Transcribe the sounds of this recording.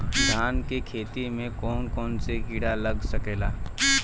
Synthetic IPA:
d̪ʱaːnkekʰeːt̪imẽkɔːnkɔːnseɡiɽalɐɡsəkeːlaː

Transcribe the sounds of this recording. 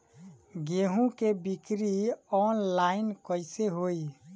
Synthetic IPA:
ɡeɦũkebikɾiɔnlainkəɪseɦoj

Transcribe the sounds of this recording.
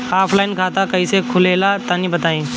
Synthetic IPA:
aːpʰlaːɪnkʰaːt̪akɐisekʰʊleːlat̪anĩbət̪aːĩː

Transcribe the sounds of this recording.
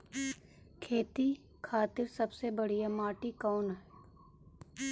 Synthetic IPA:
kʰeːt̪i | kʰaːt̪ɪɾsɐbsebɐɽ̤ijamaːʈikɔːnɦɛː

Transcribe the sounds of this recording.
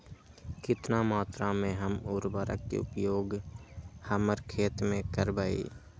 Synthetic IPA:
kɪt̪namaːt̪ɾamẽɦəmʊːɾbəːɾə̰kːḛʊpjoːɡ | həməɾkʰeːt̪mẽkəɾbaːḭː

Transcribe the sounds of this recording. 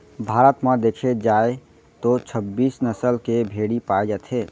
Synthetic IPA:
bʱaːɾət̪mãd̪ekʰed͡ʒae | t̪ot͡ʃʰəbːiːsnəsəlkebʱeɽipaed͡ʒat̪ʰɦeː

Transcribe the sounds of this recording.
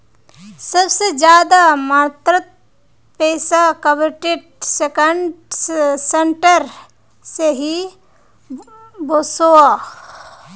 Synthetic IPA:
səbsed͡ʒjaːd̪amaːt̪ɾət̪̚ | peːsakəʋɪʈeɖsekəɳ | seɳʈəɾ | seɦi | bosoa

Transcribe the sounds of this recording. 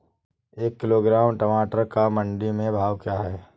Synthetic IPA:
eːkːɪloːɡɾaːmʈɐmaːʈəɾkamɐ̃ɳɖimẽbʱaːʋkjaːɦɛː

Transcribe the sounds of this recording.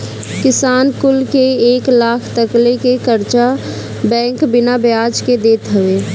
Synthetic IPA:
kɪsaːnkʊlkeeːklaːkʰt̪əklekekəɾt͡ʃa | bɛ̃ːŋkbɪnabjaːd͡ʒked̪eːt̪ɦəʋeː

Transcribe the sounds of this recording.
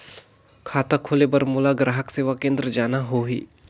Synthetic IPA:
kʰaːt̪akʰoːlebɐɾmʊlaɡɾaːɦəkseːʋakẽːnd̪ɾəd͡ʒaːnaɦoɦḭː

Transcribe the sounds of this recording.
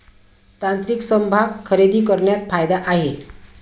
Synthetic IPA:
t̪ant̪ɾiksəmbʱaɡkʰːəɾed̪iːkəɾɳjat̪fajd̪aʔaɦe

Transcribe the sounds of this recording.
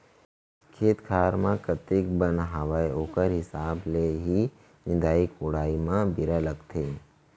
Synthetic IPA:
kʰeːt̪kʰaːɾmãkɐt̪ɪkbənɦɐʋaːjoːkəɾɦɪsaːbleɦi | nɪ̃d̪aːikʊɽaːimãbɪɾalɐɡt̪ʰeː

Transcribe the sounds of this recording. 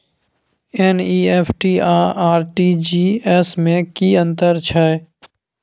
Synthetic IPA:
eːniːeːpʰʈiːaːaːɾʈiːd͡ʒiːɛsmẽkiːə̃nt̪əɾt͡ʃʰa

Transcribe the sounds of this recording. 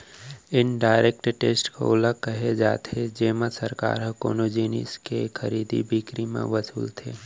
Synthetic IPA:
ɪnɖaːɪɾek̚ʈʈeːsʈko̰ʊləɡ̚kɐɦed͡ʒaːt̪ed͡ʒeːməsɐɾka̰ːɾɦəko̰ːnod͡ʒiːnḭskexʰɐɾiːd̪ḭbʱikɾimã̰ʋɐsuːlt̪ʰeː

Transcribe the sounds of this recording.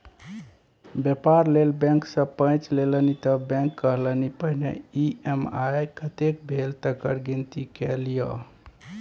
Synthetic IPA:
bjepaɾlelbɛ̃ŋksə̃pə̃jt͡ʃlelənit̪əbɛ̃ŋkːəɦlənipəɦnḛiemajkət̪ek̚bʱelt̪əkəɾɡint̪ikelijə̰

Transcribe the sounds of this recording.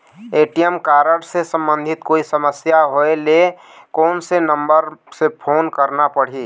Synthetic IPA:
eːʈijəmkaːɾəɽsesə̃mbə̃nd̪ʱɪt̪koːisəməsjaɦoele | kɔːnsenəmbəɾsepʰoːnkəɾnapəɽ̤iː

